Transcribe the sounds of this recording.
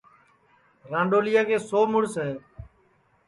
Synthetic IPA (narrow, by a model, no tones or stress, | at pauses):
ɾãːɳɖoːlɪjaːkeːsoːmʊɽsɦɛː